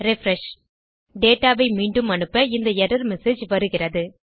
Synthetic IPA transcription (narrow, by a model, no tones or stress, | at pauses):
ɾɪfɾɛʂ | ɖeːʈːaːʋɐɪmiːɳɖɯmɐnɯpːɐɪnd̪ɐɛɾɐɾmɛseːd͡ʒʋɐɾɯɣɪrɐðɯ